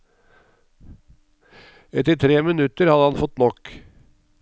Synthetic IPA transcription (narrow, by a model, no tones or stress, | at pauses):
ɛt̪əɾt̪ʰɾeːmɪnʉt̪əɾhɑd̪əhɑnfɔt̪nɔk